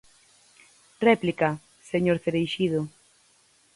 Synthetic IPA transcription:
rɛplika | seɲoɾθeɾejʃiðʊ

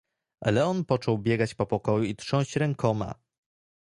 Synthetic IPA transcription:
ʔa̰lɛɔnpɔt͡ʂɔwbʲjɛɡat͡ɕpɔpɔkɔjuit̪ʂɔ̃w̃ɕt͡ɕɾɛŋkɔma̰

